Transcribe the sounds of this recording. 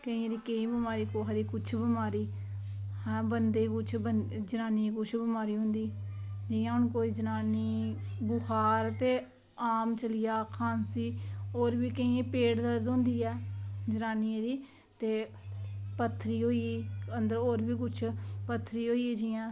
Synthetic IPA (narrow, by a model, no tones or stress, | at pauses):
kəĩːẽːd̪iːkeĩːbəmaːɾiːkoːɦad̪iːkʊt͡ʃʰbəmaːɾiː | hɛ̃ːbənd̪eːkʊt͡ʃʰbənd͡ʒənaːnikʊt͡ʃʰbəmaːɾiːɦʊ̃nd̪iː | d͡ʒɪːjãːʊnkoːiːd͡ʒənaːniː | bʊxʰaːɾt̪eː | aːmt͡ʃəlɪjaːkʰaːnsiːoːɾbiːkəĩːẽːpeːɽd̪əɾd̪õnd̪iːɛːd͡ʒənaːniẽːd̪iː | t̪eː | pət̪ʰːɾiːɦoːiːiːənd̪əɾoːɾbiːk̬ʊt͡ʃʰpət̪ʰːɾiːɦoːiːɛːd͡ʒɪãː